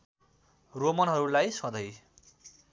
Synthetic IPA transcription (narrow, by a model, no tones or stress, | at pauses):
romʌnɦʌɾulajsʌ̃d̪ʌj